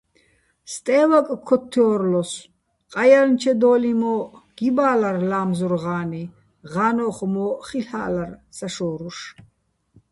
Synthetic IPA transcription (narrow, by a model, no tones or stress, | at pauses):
st̪ʼɛːwakʼkʰːɔt̪ʰːɔːɾlɔs | qʼajalnt͡ʃʰɛd̪ɔːlimɔɡ̥ibaːlarlaːmzɔɾʁaːni | ʁaːnɔχmɔχiɬa̰ːlarsaʃɔːɾuʃ